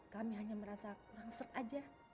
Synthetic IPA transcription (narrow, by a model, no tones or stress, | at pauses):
kamiɦaɲaməɾasakuɾaŋsət̪ad͡ʒa